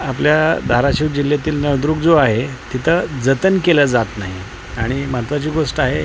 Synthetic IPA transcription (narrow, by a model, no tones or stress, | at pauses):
apljad̪ʱaɾaɕiːʋd͡ʑiljat̪iːlnəʋd̪ɾuːkd͡zoaɦet̪it̪ʰəd͡zət̪ənkeləd͡zat̪naɦi | aɽ̃imat̪ʋat͡ɕiːɡoʂʈaɦe